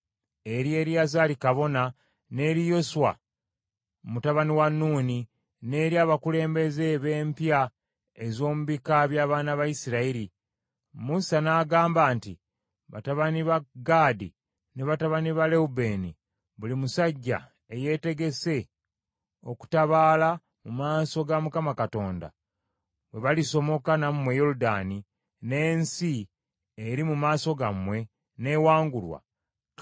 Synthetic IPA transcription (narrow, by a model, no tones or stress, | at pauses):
e̞ɾje̞ːɾjazaːlikaβo̞na | ne̞ːɾijo̞suwa̰ | mutaβaniwanːuːni | ne̞ːɾiaːβakule̞ːmbe̞ze̞βe̞ːmpja | e̞zo̞ːmuβikaβjaːβaːnaβajisiɾaiɾi | musanaːɡaːmbaːnti | βa̰taβaniβaɡaːdḭ | neβataβaniβale̞ube̞ːni | βulimusaɟːa̰ | eje̞ːte̞ɡe̞se̞ | o̞ku̥taβaːla | mumaːso̞ɡamukamakato̞ːnda̰ | βwe̞βaliso̞mo̞kanamumwe̞jo̞ludaːni | ne̞ːnsi | eɾimumaːso̞ɡamwe̞ | ne̞waːŋɡulwa̰